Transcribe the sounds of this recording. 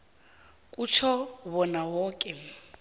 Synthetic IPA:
kʼut͡ʃʰɔβɔnawɔːkʼɛ

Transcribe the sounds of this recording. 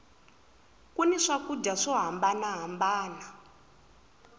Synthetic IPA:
kunɛʂakud͡ʒaʂɔɦambanaɦambaːna

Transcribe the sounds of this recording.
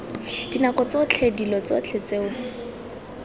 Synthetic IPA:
d̥inakɔt͡sot͡ɬʰedilɔt͡so̰t͡ɬʰet͡seʊ

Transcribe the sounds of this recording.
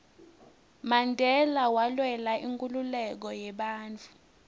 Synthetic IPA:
mandʱɛlawalwɛlaʔiŋkʼululɛk̬ɔjɛɓaːnt͡fʰʼu

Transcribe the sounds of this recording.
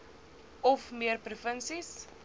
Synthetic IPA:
ɔfmiərprufənsis

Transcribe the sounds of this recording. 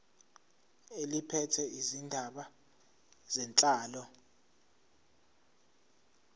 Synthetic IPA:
elipʰɛtʰɛʔizindʱaɓa | z̥ɛnt͡ɬʼaːlɔ

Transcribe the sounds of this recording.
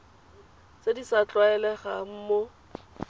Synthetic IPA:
t͡sedisat͡ɬʼwaɛlɛχam̩ːmo

